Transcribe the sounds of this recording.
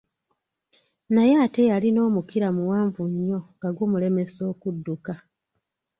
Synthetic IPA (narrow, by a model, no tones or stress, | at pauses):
najaːte̞jalino̞ːmukiɾamuwaːɱvuɲːo̞ŋɡaɡwumule̞me̞so̞ːkudːuka